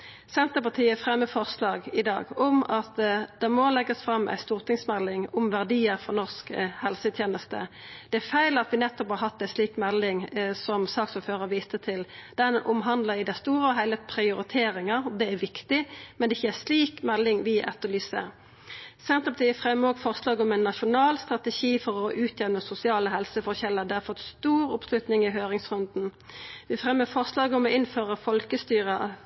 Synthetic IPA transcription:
sɛnt̪əpɑt̪ʰiːəfʁɛmːəfɔʁslɑːɡɪd̪ɑ̰ːɡɔmɑt̪d̪̥ɛmɔlɛɡəsfʁɑmːʔæ̰ɪst̪uːʁt̪ʰɪŋsmɛlːɪŋʊmʋæʁd̪iːəɾfɔnɔʁskhɛlsət̪ʰjeːnəst̪ə̰d̪̥ɛæfæɪlɑt̪ʋɪnɛt̪ːɔphɑʁɦɑt̪ːæɪsliːkmɛlːɪŋsɔmsɑːksɔføːʁəʋiːt̪ət̪ʰɪld̪̥ɛnʔʊmɦɑnd̪ləɪd̪æɪst̪uːʁəɔɦæɪləpʰɾɪʊɾɪt̪ʰeːɾɪŋɑʁd̪ɛæʋɪkt̪ɪmɛnd̪ɛɪçːəæsliːkmɛlːɪŋʋɪʔɛ̰t̪ːəlyːsə̰ | sɛnt̪ɔp̚d̪ɛfʁɛmːəɔːɡfɔʁslɑːɡɔmɛɪnːɑʃʊnɑːlst̪ɾɑt̪əʃiːfɔɾɔʔʉːt̪ʰjɛʋnəsʊsɪɑːləɦɛlsəfɔʁçɛlːəʁd̪ɛhɑɾfɔt̪st̪uːɾʊpslʉt̪nɪŋɪɦøːɾɪŋsʁʉnd̪n̩ | ʋɪfʁɛmːəfɔʁslɑːɡəɔmɔʔɪnføːʁəfɔlkəst̪yːʁə

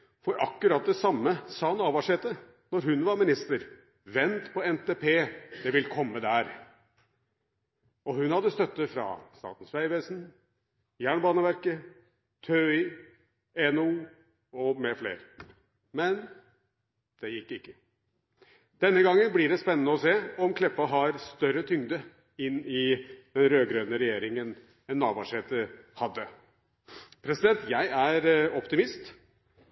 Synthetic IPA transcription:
fɔɾʔɑkːʉɾɑt̪̚d̪ɛsɑmːəsɑːhɑnɑːʋɑʂɛt̪ːə | nɔɾɦʉnʋɑɾmɪnɪst̪əɾ | ʋɛnt̪pʰɔɛnt̪eːpʰeːd̪̥ɛʋɪlkʰɔmːəd̪æːɾ | ɔhʉnhɑd̪ːəst̪œt̪ːəfɾɑ̰st̪ɑ̰ːt̪n̩sʋæɪʋeːsn̩ | jæːɳbɑːnəʋæɾkə | t̪ʰøɪ | ɛnu | ɔmɛflḛːɾ | mɛn | d̪̥ɛjɪkːɪkːə | d̪̥ɛnːəɡɑŋːənblɪɖɛspɛnːənəɔseːɔmkʰlɛpːɑɦɑɾst̪œɾət̪ʰʏŋd̪ə | ɪnːɪd̪̥ɛnɾøːɡɾøːnəɾɛjeːɾɪŋən | ɛnːɑːbɑʂeːt̪əhɑd̪ːə | pʰɾɛsɪd̪ɛnt̪jæɪæɾɔpt̪ɪmɪst̪

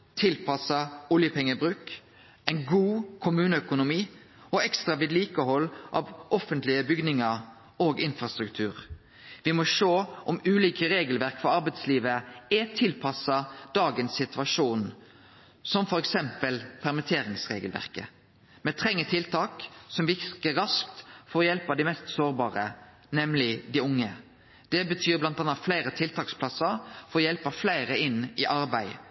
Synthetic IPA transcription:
t̪ʰɪlpʰɑsɑʊljəpʰɛŋːəbʁʉːk | ɛɪnɡuːkʰʊmʉːnəœkʊnʊmiː | ɔɛkst̪ʁɑʋiːd̪liːkəɦɔlːʔɑ̰ːʋʔɔfənt̪lɪəbʏɡdnɪŋɑɾ | oːɡɪnfɾɑst̪ɾʉkt̪ʰʉːɾ | ʋɪmɔʃoːʔɔmʉːliːkəɾeːɡəlʋæʁkfɔɾɑɾbɛɪt̪sliːʋəɛt̪ʰɪlpʰɑsɑd̪̥ɑːɡənsɪt̪ʰʋɑʂuːn | sɔmfɔɾɛksɛmpəlpʰæɾmɪt̪ʰeːɾɪŋsʁḛːɡəlʋæ̰ʁkə | mɛt̪ʰɾɛŋːət̪ʰɪlt̪ʰɑːksɔmʋɪkəɾɑsk̚t̪fɔɾɔjɛlpɑd̪ɪmɛst̪soːɾbɑːʁə | nɛmlɪd̪ɪʊŋːə | d̪̥ɛbət̪ʰyːɾblɑnt̪ɑnːɑt̪flæɪɾət̪ʰɪlt̪ʰɑːkspʰlɑsəɾfɔɾɔjɛlpɑflæɪɾəɪnːɪʔɑɾbæɪ

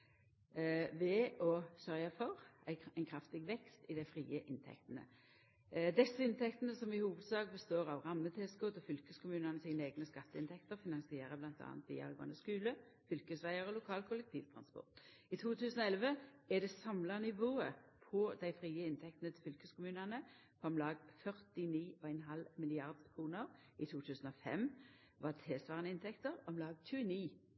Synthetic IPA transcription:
ʋɛɔsœʁjɑfɔʁæɪɪnkʰʁɑft̪ɪɡʋɛkst̪ɪd̪æɪfʁiːəʔɪnt̪ʰɛ̰kt̪ənə̰ | d̪ɛsːəɪnt̪ʰɛkt̪ənəsɔmɪhuːʋəd̪sɑːɡbəst̪oːʁɑʋʁɑmːət̪ʰɛːskot̪ɔfʏlkəskʰʊmʉːnənəsɪŋneːɡnəskɑt̪ːəɪnt̪ʰɛkt̪əʁfɪnɑnsɪeːɾəblɑnt̪ʰɑ̰ːɑnt̪ʋḭːɑ̰lɡɑ̰nəskʉːlə | fʏlkəsʋæɪəɾɔlʊkʰɑːlkʰʊlɛk̚t̪ʰiːʋt̪ʰʁɑnspɔ̰ʁt̪ɪt̪ʰuːt̪ʰʉːsən̩ɔɛlʋəɛd̪ɛsɑmlɑnɪʋoːəpʰɔd̪æɪfʁiːəɪnt̪ʰɛk̚t̪nət̪ʰɪfʏlkəskʊmʉːnɑnə | kʰɔmlɑːɡfœʁt̪ɪniːʔɔæɪnɦɑlmɪlɪɑʁd̪kʰʁuːnəʁ | ɪt̪ʰuːt̪ʰʉːsn̩ɔfɛ̰mː | ʋɑt̪ʰeːsʋɑːʁnəɪnt̪ʰɛkt̪əʁɔmlɑːɡc͡çʉːəniː

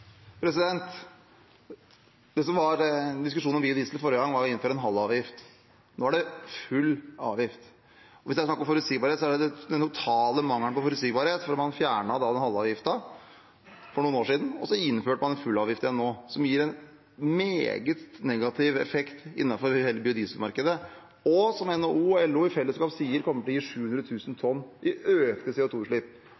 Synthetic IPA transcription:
pʰɾɛs̬ɪd̪ɛnt̪ | d̪̥ɛsɔmʋɑɾd̪ɪskʉʂuːn̩ʋɪd̪ɪslfɔːɾəɡɑŋʋɑɾɔɪn̩ːføɾəɛnɦɑlːɑːʋjɪft̪ | noːæɖɛfʉlːɑ̰ːʋjɪft̪ | ɔʋɪsd̪æɑsʂɑkːɾɔmfɔɾʉt̪siːɡbɑɾheːt̪sɔæɖɛd̪ɛd̪ɛnt̪ʰʊt̪ʰɑːləmɑŋːəɳpɔfɔɾʉt̪siːɡbɑːɾheːt̪fɔɾmɑnfjæːɳɑd̪ɑd̪ɛnhɑlːɑːʋjɪft̪ɑ | fɔɳuːənoːʂiːd̪n̩ɔsɔɪnːføːʈəmɑnɛnfʉlɑːʋjɪft̪əjɛnːoːsɔmjiːɾɛn | meːɡət̪nɛɡɑt̪ʰɪʋɛ̰fɛkt̪ɪ̰nːɑfɔɾheːləbɪʊd̪iːsəmɑɾkəd̪ə | ɔsɔmɛnoːuːɛlːuːɪfɛlːəskɑːpsiːəɾkʰɔmːəʈʰɔjiːʂʉːhʉnd̪ɾət̪ʰʉːsən̩t̪ʰɔnːʔɪʔøːkt̪əsɛʊt̪ʰuːʂɭiːp̚

